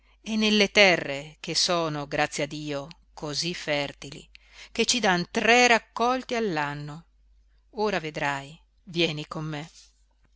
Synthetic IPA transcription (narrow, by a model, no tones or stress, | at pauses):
enːelːet̪ɛrːekesoːnoɡɾʔat̪sːjead̪ːiːo | kozifːɛrt̪ilḭ | ket͡ʃːid̪ant̪ɾɛɾakːɔlt̪ialːanːo | oːɾaved̪ɾaj | vjɛːnikomːe